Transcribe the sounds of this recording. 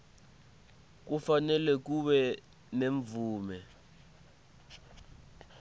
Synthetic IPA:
k̬ufanɛlɛk̬uɓɛ | neɱvuːmɛ

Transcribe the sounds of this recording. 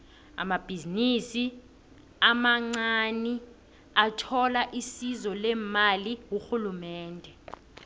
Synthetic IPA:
a̰mab̥ʱizinisi | amaŋ͡ǀani | atʰɔlaʔisizɔlɛmaliwuxulumɛːndʱɛ

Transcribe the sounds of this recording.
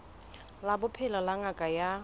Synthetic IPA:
labʊpʰɛlɔlaŋakʼaja

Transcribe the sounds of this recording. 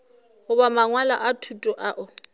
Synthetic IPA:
hʊbamaŋwala̰ʔatʰutʼʊʔaʔʊ

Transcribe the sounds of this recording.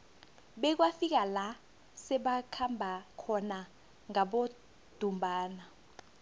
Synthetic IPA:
ɓɛk̬wafik̬ala | sɛɓakʰambʱakʰɔna | ŋaɓo | d̥ʱumbʱaːna

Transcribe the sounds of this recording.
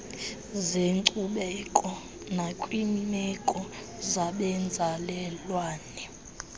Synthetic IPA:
zeŋǀʼuɓɛkʼɔ | nakʼwimɛkʼɔ | zaɓɛnd͡zʱalɛlwaːnɛ

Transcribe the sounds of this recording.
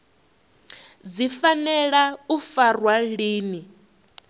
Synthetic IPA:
d͡zifanɛɺaufarwaliːni

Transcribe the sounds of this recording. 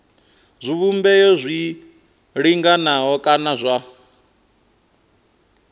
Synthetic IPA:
zʷiβumbɛjɔzʷi | ɺiŋɡanaɦɔkʼanazʷa

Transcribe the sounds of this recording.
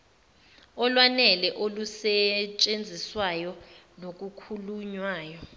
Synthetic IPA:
ɔlwanɛlɛʔolusɛt͡ʃʼend͡zʱiswajɔ | nok̬ʼukʰuluɲwaːjɔ

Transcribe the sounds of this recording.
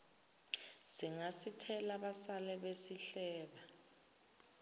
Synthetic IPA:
siŋasitʰɛlaɓasalɛɓesiɬɛːɓa

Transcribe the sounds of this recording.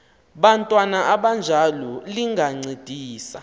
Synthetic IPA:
ɓantʼwanaʔaɓand͡ʒʱalɔliŋɡʱaŋ͡ǀed̥ʱiːsa̰

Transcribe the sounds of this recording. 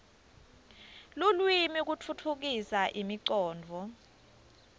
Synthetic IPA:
lulwimik̬utʰutʰuk̬isaʔimiǀɔːnd͡vʱɔ

